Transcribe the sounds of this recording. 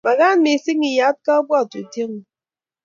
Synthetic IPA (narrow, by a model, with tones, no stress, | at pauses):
ma˨ɣa˦n˦mi˨si˦ŋi˨ja˨˦t̚ka˦bwa˦˨tu˨te˦ŋ˨